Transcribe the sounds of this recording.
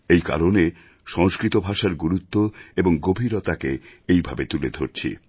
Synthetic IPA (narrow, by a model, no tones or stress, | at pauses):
ejka̰ɾone | ʃɔŋskɾit̪obʱaʃaɾɡuɾut̪ːoeboŋɡobʱiɾot̪akeejbʱabet̪uled̪ʱoɾt͡ɕʰḭ